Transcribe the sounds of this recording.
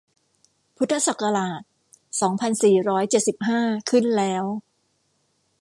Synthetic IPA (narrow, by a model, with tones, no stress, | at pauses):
pʰu˦˥t̪ʰːa˧sa˨˩kːa˧laː˨˩t̪̚ | sɔː˩˦ŋpʰa˧nsiː˨˩ɾɔː˦˥jt͡ɕe˨˩t̪̚si˨˩p̚ɦaː˥˩kʰɯ˥˩nlɛː˦˥w